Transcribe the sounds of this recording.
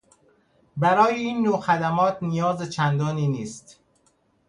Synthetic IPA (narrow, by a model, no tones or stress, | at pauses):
bæɾɒːjeiːnːoːxæd̪æmɒːt̪nijɒːzet͡ʃʰænd̪ɒːniːniːst̪